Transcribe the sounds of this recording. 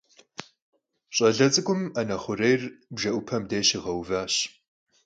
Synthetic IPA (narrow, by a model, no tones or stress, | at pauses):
ɕʼɐɮɐt͡sʼɨkʷʼʊmɐnɐχʷʊɾejrbʒɐʔʷʊpʰɐmdeːɕɪʁɐwvaːɕ